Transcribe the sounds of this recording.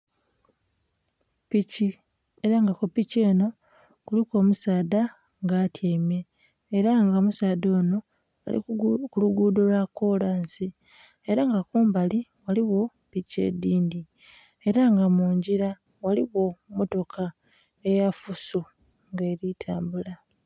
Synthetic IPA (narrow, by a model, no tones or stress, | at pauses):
pici | eɾaŋɡakopice̞ːno̞ | kuliko̞ːmusaːda | ŋɡaːtʰjeːmje̞ː | ɾaŋɡamusaːdo̞ːno̞ | a̰ḭkuluɡuːdolwakːo̞laːnsi | e̞ɾaŋɡakuːmbaliwaliwo̞ | pice̞̰diːndi | eɾaŋɡamuːɲɟiɾa | waliwo̞moto̞kʰa | e̞jafuso | ŋɡe̞ːɾitʰaːmbula